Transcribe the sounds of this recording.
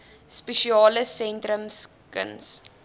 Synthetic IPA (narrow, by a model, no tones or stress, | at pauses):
speʃiɑːləsɛntrəms | kə̰ns